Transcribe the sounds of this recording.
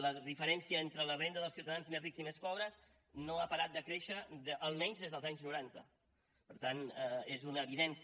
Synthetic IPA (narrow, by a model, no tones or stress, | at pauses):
ləðifəɾɛnsiəent̪ɾələrend̪əðəlˠsiuwt̪əðanzmezrikzimespɔβɾəs | noapəɾat̪̚d̪əkɾeʃəʔːlˠmɛɲzðezðəlˠzaɲznuɾant̪ə̰ | pəɾt̪anezunəːβiðɛns